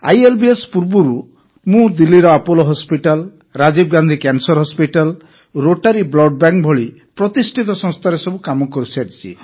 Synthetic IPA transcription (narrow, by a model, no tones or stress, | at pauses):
a̰jelbiespuɾbuɾu | mũd̪ilːiɾɔapɔlɔɦɔspiʈal | ɾad͡ʒib̚ɡand̪ʱikansɔɾɦɔspiʈal | ɾoʈaɾiblɔɖ̚baŋkbʱɔɭi | pɾɔt̪isʈʰit̪ɔsɔ̃ŋ̃st̪ʰaɾesɔbukamɔkɔɾisiaʈit͡ʃʰḭ